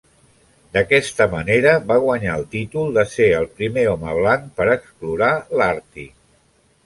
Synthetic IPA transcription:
d̪əkɛst̪əməneɾəβaɣ̞wəɲaəlˠt̪it̪ulˠd̪əseəlˠpɾimeɔməβ̞laŋpəɾəkspluɾalaɾt̪i

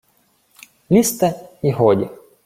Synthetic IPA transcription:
lʲist̪ɛiɦɔdʲḭ

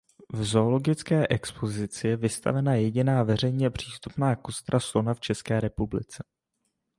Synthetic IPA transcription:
vzo̞olo̞ɡɪt͡skɛːʔɛkspo̞zɪt͡sɪjɛvɪst̪a̰vɛnajɛɟɪnaːvɛr̝ɛjɲɛpr̝̥iːst̪upnaːkost̪ɾaslo̞naft͡ʃɛskɛːɾɛpublɪt͡sɛ

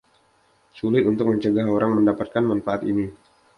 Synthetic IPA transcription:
sulɪt̪unt̪ʊk̚məɲt͡ʃəɡaɦoɾaŋməndapat̪̚kanmanfaat̪ḭni

